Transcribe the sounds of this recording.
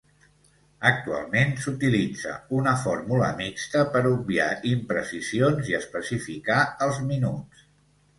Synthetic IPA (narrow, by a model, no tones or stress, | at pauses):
ək̚t̪ua̰lˠmensut̪ilid͡zə̰unəfɔɾmulə̰mikst̪əpəɾubbia̰impɾəsizionziəspəsifikaəlˠzminus